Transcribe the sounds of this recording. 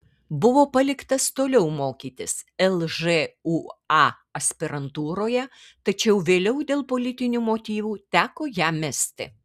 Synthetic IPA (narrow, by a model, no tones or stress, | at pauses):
bʊʋoːpɐlʲɪkt̪ɐst̪oːlʲɛʊmoːkʲiːt̪ʲɪsɛlˠʒeuɑ | ɐsʲpʲɪɾɐnt̪uːɾoːjɛ | t̪ɐt͡ʃʲɛʊʋʲeːlʲɛʊd̪ʲeːlˠpoːlʲɪt̪ʲɪnʲuːmoːt̪ʲiːʋuːt̪ʲæːkoːjæːmʲæsʲt̪ʲɪ̰